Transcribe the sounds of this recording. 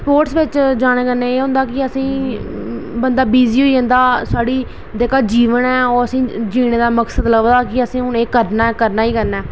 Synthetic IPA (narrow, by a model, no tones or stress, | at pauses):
spoːɾʈsʋɪt͡ʃd͡ʒaːɽ̃eːkəɾneːeːɦõːnd̪aːkɪəsĩː | bənd̪aːbiːziːoiẽːnd̪aːsaːɽiː | d̪eːkaːd͡ʒiːʋənɛːɔːɾəsĩːd͡ʒiːɽ̃eːd̪aːməksəd̪ləɡd̪aːkɪəsĩːʊneːkəɾnaːɛkəɾnaːiːkəɾnɛː